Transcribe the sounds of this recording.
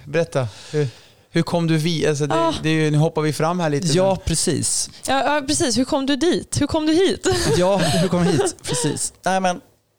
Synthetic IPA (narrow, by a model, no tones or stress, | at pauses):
bɛɾɛt̪ːahɵ | hɵɾkʰɔmːd̪ɵvials̬ɔd̪ɛːd̪ɛjɵnʉ̟hɔpːaɾvɪfɾamːhæːɭiːt̪əjɑːpʰɾɛsḭːsjɑːjɑːpʰɾɛsiːshɵkʰɔmːd̪ɵd̪iːt̪hɵɾkʰɔmd̪ɵhiːt̪jɑːhɵkʰɔmːhiːpʰɾɛsḭːsnɛɪmɛn